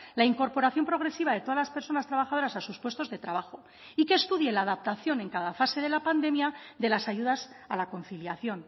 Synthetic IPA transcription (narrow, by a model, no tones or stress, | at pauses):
laiŋko̞ɾpo̞ɾaθjo̞mpɾo̞ɣ̞ɾe̞siβ̞að̞e̞t̪o̞ðalaspe̞ɾso̞nast̪ɾaβaxaðo̞ɾasasuspwest̪ozðe̞t̪ɾaβaxo̞ | ike̞ːst̪uðjelaːðap̚t̪aθjo̞nẽ̞ŋkaðafase̞ð̞e̞lapand̪e̞mjaðe̞lasaʝuðasalako̞n̟θiljaθjo̞n